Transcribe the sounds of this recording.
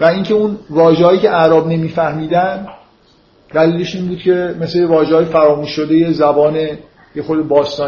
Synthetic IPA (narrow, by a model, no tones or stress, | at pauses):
væiŋcʰe̞unvɒːʒehɒːjiːcʲʰe̞ʔæɾɒːbne̞miːfæhmiːd̪ænd̪ | d̪æliːle̞ʃiːnbuːd̪̥cʰe̞me̞slejevɒːʒeɒːjefæɾɒːmuːʃːo̞d̪e̞je̞zæbɒːne̞ | jexod̪ebɒːst̪ɒː